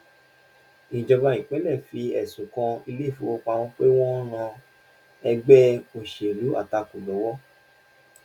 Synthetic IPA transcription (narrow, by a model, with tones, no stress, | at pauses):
ĩ˨d͡ʒɔ˧ba˧jĩ˨k͡pɛ˨˦lɛ˦˨fi˧˦ɛ˦˨sũ˨kã˧i˧le˦˨fi˨˦wo˧k͡pa˧w̃ɔ̃˦k͡pe˦w̃ɔ̃˦ɾ̃ã˧ | ɛ˧ɡ͡bɛ˦o˨ʃe˨lu˨˦a̰˦˨ta˧ku˨lɔ˨˦wɔ˦